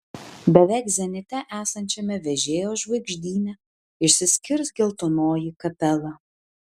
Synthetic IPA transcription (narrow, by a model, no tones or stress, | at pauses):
bʲɛʋʲɛˑɪkzʲɛnʲɪt̪ʲɛʔæːsɐnʲt͡ʃʲɛmʲɛʋʲɛʒʲeːjoːʒʋɐɪɡʒʲd̪ʲiːnʲɛ | ɪʃʲsʲɪsʲkʲɪɾsɡʲɪlˠt̪onoːjikɐpʲɛlˠɐ